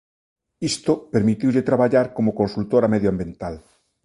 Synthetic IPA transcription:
ist̪opeɾmit̪iwʎet̪ɾaβaʎaɾkomokonsult̪oɾameðjoambjẽnt̪al

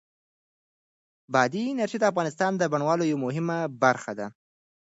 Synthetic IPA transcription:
bɑd̪inaɾʃid̪əafɣɑnɪst̪ɑnd̪əbaɳwɑlojawmʊɦɪmabaɾxad̪a

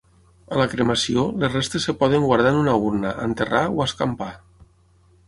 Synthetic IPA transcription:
alakɾemasiolesrest̪esːepɔð̞eŋɡwaɾð̞anunauɾnaʔːnt̪eraoaskampa

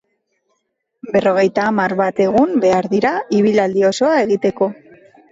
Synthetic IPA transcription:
be̞ro̞ɣ̞e̞jt̪aːmaɾβat̪e̞ɣ̞umbe̞aɾðiɾaiβ̞ilald̪io̞so̞ae̞ɣit̪e̞ko̞

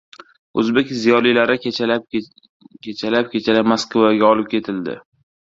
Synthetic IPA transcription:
ɵzbekʲzijɒlilaɾɪ | kʲʰet͡ʃʰalap̚kʲʰe̞t͡ʃʰalamaskvaɡʲaɒlɪp̚kʲʰe̞t̪ʰɪld̪ɪ̰

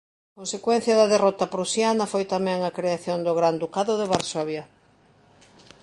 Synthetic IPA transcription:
kõnsekwɛn̟θjɐðɐðerɔt̪ɐpɾusjanɐfojt̪amɛ̃ŋɐkɾeaθjond̪ʊɣɾand̪ukaðʊðeβaɾsoβja

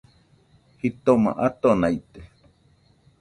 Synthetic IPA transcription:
hit̪oma̰ʔat̪onait̪e̥

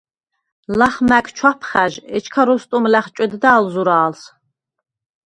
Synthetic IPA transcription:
laχmækʼt͡ʃʰwapʰχæʒɛt͡ʃʰkʰaɾust̪ʼumlæχt͡ʃʼɛd̪d̪aːlzuɾaːls

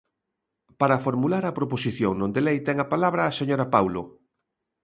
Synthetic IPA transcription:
paɾafoɾmulaɾɐpɾoposiθjoŋnõnd̪elejt̪ɛŋɐpalaβɾɐːseɲoɾapawlo

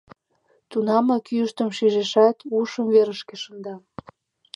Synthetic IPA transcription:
t̪unɑmɑkyəʃt̪əmʃiʒeʃɑt̪uʃəmveɾəʃkeʃənd̪ɑ

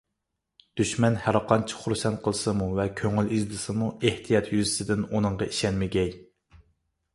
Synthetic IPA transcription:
d̪̥yʃmɛnhæɾɑqʰɑnt͡ʃʰi̥χuɾsɛnt̪̚qʰəlˠsɨmuvɛkʲʰøŋylizlɨsɨmueht̪ʰijɑt̪ʰjyzɪsɪd̪ɪnunɨɴʁɑiʃɛnmɪɡʲɛj

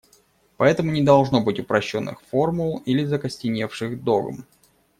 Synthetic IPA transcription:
pɐɛt̪əmʊnʲɪd̪ɐlˠʐno̞bɨtʲʊpɾɐɕːo̞nːɨ̰xfo̞rmʊlˠilʲɪzəkəsʲtʲɪnʲe̞fʂɨxd̪o̰ɡə̰m

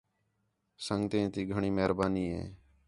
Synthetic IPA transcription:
səŋɡt̪ẽːt̪iːɡʱəɳiːmeɦɾbaːniːɦḛ̃ː

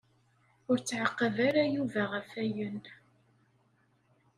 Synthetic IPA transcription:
ʊɾt͡sːʕəqːəvaɾajuvæʁəfæjən

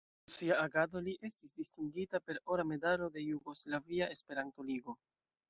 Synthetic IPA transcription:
siaːɡado̞liʔe̞stisdistiŋɡitape̞ɾo̞ɾame̞dalo̞de̞juɡo̞slaviaʔe̞spe̞ɾanto̞liɡo̞

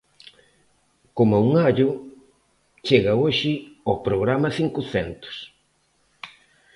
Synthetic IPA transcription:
komauŋaʎʊ | t͡ʃeɣɐoʃɪopɾoɣɾamɐθiŋkʊθɛnt̪ʊ̥s

